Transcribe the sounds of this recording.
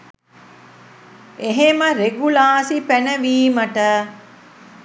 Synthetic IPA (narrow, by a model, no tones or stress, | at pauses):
eɦeməɾeɡulaːsipænəʋiːməʈə